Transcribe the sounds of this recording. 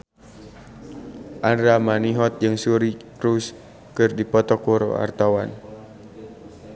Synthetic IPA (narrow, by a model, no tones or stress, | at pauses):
ʔandɾamaniɦɔt̪̚d͡ʒɨŋsuɾikɾus | kɨrdipɔt̪ɔkuɾo̰a̰rt̪awan